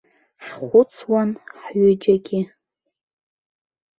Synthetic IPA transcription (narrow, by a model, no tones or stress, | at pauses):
ħχʷʊt͡sʰwanħɥʏd͡ʒaɡʲɪ